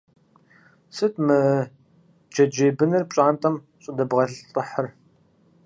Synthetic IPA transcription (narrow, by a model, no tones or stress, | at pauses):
sɨtʰmɨ | d͡ʒɐd͡ʒeːbɨnɨrpɕʼaːntʼɐm | ɕʼɪdɐbʁɐɬɬʼəħər